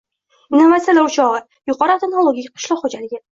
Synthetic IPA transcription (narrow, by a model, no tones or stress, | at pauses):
inovat̪sijalaɾʊt͡ʃɒʁɨ | jʊqʰɒɾɨt̪ʰenolˠoɡʲikʲqʰɨ̥ʃlˠɒqχod͡ʒalɪɡʲɪ